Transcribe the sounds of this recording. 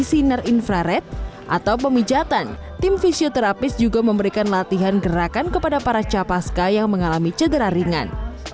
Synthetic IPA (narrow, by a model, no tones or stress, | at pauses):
sinarinfɾaɾɛt̪̚ʔa̰t̪awpəmid͡ʒat̪an | t̪ɪmfisiot̪ɛɾapɪsd͡ʒuɡaməmbəɾikanlat̪iɦanɡəɾakankəpadapaɾat͡ʃapaskajaŋməŋalamit͡ʃədəɾaɾiŋa̰n